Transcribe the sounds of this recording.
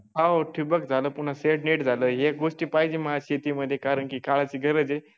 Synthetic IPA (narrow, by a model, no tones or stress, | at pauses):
ɦaoʈʰibək̚d͡zʱaləːpuɳ̤aseʈniʈd͡zʱaləːɦeɡoʂʈiːpaɦid͡ʑiːməɦaɕet̪iːməd̪ʱːjekaɾəɳkikaɭat͡ɕiːɡʱəɾəd͡ze